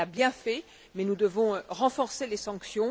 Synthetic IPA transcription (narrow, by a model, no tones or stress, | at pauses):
abjɛ̃fɛ | mɛnud̪əvɔ̃ʁɑ̃fɔʁselesɑ̃ksjɔ̃